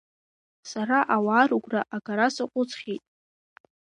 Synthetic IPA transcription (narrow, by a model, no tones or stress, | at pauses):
saɾaʔawaːɾuɡʷraʔaɡaɾasɨqʷʼʊt͡sʰʼχʲijtʼ